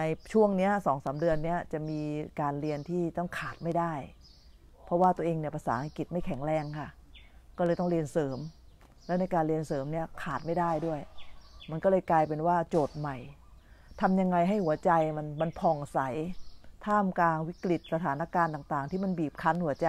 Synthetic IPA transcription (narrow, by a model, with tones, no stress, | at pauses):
na˧jt͡ɕʰu˥˩əŋni˦˥ɐsɔː˩˦ŋsaː˩˦mdɯ˧ənːi˦˥ɐt͡ɕa˨˩miː˧kaː˧nɾi˧ənt̪ʰiː˥˩t̪ɔ˥˩ŋkʰaː˨˩t̪̚ma˥˩jdaː˥˩j | pʰɔ˦˥waː˥˩t̪u˧əʔeː˧ŋni˥˩ɐpʰa˧saː˩˦ha˧ŋki˨˩t̪̚ma˥˩jkʰɛ˩˦ŋɾɛː˧ŋkʰa˥˩kɔː˥˩lɤː˧jt̪ɔ˥˩ŋɾi˧ənsɤː˩˦m | lɛː˦˥wna˧jkaː˧nlɾi˧ənsɤː˩˦mni˦˥ɐkʰaː˨˩t̪̚ma˥˩jdaː˥˩jdu˥˩əjma˧nkɔ˥˩ɤː˧jklaː˧jpe˧nwaː˥˩t͡ɕoː˨˩t̪̚ma˨˩jt̪ʰa˧mja˧ŋːa˧jɦa˥˩jhu˩˦ɐt͡ɕa˧jma˧nma˧npʰɔ˨˩ŋsa˩˦jt̪ʰaː˥˩mklaː˧ŋwi˦˥kli˨˩t̪̚sa˧t̪ʰaː˩˦nːa˦˥kaː˧nt̪a˨˩ŋt̪aː˨˩ŋt̪ʰiː˥˩ma˧nbiː˨˩p̚kʰa˦˥nhu˩˦ɐt͡ɕa˧